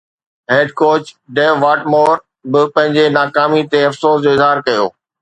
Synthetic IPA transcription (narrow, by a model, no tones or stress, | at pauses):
ɦeːɖkoːt͡ɕɖeːʋʋaːʈmoːɾ | bɪpɐ̃ɦɪ̃ɲd͡ʑenaːkaːmit̪eɐfsoːsd͡ʑoːɪzɦaːɾkɐjo̰ː